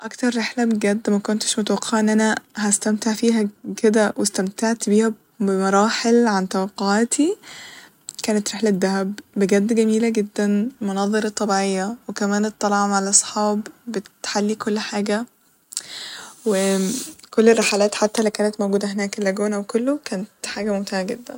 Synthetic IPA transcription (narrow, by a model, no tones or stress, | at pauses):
ʔækt̪ɑɾˤːeħlæbeɡæd̪ːmækont̪e̥ʃmot̪̬æwɑqːeʕaʔenːʔænæhæst̪æmt̪eʕfiːɦæked̪æwʔest̪æmt̪aʕt̪biːhæ | bemɑɾˤɑːħelʕant̪æwɑqːoʕat̪ʰi | kæːnet̪ɾeħlæd̪ːæhæbːeɡæd̪ːɡæmiːlæɡed̪ːænmonɑðˤeɾɑt̪ˤːɑbiʕejːɑwekæmæːnet̪ˤːɑlʕɑmʕalʔɑsˤħɑːbbet̪ħalːikolːħaːɡæ | wekolːerˤːeħalæːt̪ħat̪ːælæwkæːnæt̪mowɡuːd̪æɦenæːkelːæɡuːnæwekolːokæːnt̪ħaːɡæmomt̪ehæɡed̪ːæn